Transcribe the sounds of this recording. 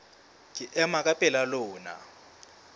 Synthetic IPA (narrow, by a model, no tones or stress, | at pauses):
k̬ʼɪʔɛmakʼapʼɛlalʊːna̰